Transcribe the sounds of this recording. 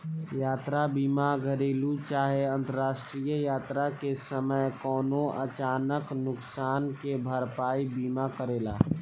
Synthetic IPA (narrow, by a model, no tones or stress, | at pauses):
jaːt̪ɾabiːmaɡʱəɾiːlut͡ʃaːɦeə̃nt̪əɾaːsʈɾijəjaːt̪ɾakesəməjkɔːnoʔət͡ʃaːnəknʊksaːnkebʱəɾpaːibiːmakəɾeːla̰ː